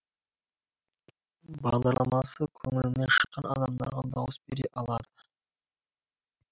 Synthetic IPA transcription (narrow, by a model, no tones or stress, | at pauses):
bɑʁd̪ɑɾlˠɑmɑsəkʲʰɵŋɪlɪmnenʃəqːɑnʔɑ̰d̪ɑmd̪ɑɾʁɑd̪ɑwəsbe̞ɾeʔɑlˠɑd̪ə